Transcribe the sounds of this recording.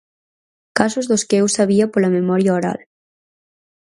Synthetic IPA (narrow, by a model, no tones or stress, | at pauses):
kasozðoskeewsaβ̞iapolamemɔɾjaoɾa̰l